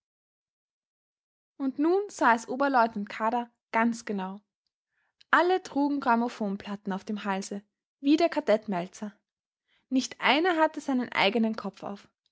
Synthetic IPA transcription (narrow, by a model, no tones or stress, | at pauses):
ʔʊntnuːnz̥aːɛsʔoːbɐlɔʏtnantkʰaːɾa | ɡ̥ant͡sɡ̥ənaʊ | ʔalətʁ̥uːɡŋ̩ɡʁamofoːnpʰl̥atn̩aʊfd̥eːmɦalzə | viːdeːɐkʰaɐdɛtmɛlt͡sɐ | nɪçtʔa̰ɪnɐɦatəz̥aɪnənʔa̰ɪɡənənkʰɔp͡fa̰ʊf